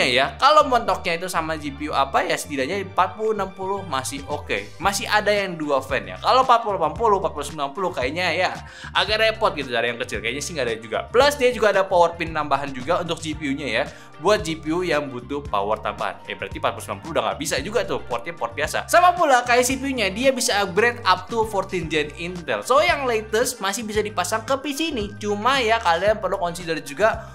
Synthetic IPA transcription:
ajakalomɔnt̪ɔk̚ɲait̪usamad͡ʒipiuapajasə̥t̪idaʔɲapat̪̚pulunampulʊhmasɪhokḛ | masɪhʔadajaŋduafɛnja̰kalopat̪̚pululapanpulʊpat̪̚pulusəmbilanpulʊhkajaɲaja | ʔaɡarepɔrt̪̚ɡit̪ut͡ʃaɾajaŋkət͡ʃɪlkajaɲasɪhŋɡadad͡ʒuɡa̰pləsdiad͡ʒuɡaːdapowər̚pint̪ambaɦand͡ʒuɡaunt̪ʊk̚d͡ʒipiuɲaja | buat̪̚d͡ʒipiujaŋbut̪ʊhpa̰wərt̪a̰mba̰ɦa̰na̰bəɾa̰t̪ipaɾ̚pulsmla̰mpuludaŋɡa̰ʔbisad͡ʒuɡat̪ʊpowɔrt̪̚ɲapoɔrt̪̚biasa̰samapulakajasipiuɲadiabisabɾɛt̪ap̚t̪ufɔrt̪ind͡ʒɛnint̪ɛ̰lsojaŋlet̪əsmasɪhbisadipasaŋkəpisinit͡ʃumajakalianpərlukɔnsidərd͡ʒuɡa

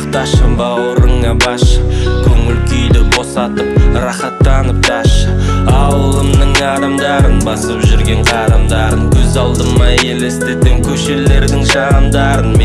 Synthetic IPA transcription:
qt̪ɑʃəmbɑwəɾəɴɑbɑʃkʲʰɵŋɪlkʲʰʏjd̪ɪɾbo̞sɑt̪əp̚ɾɑχɑt̪ːɑnəp̚tʰɑʃɑwəlˠəmnəɴɑɾɑmd̪ɑɾənbɑsəpʒʏɾɡʲe̞ɴqʰɑɾɑmd̪ɑɾəŋkʲʰɵzɑlˠd̪ənmɑjelest̪et̪ːeŋkʲʰɵʃele̞ɾd̪ɪŋʒɑnəmd̪ɑɾənm

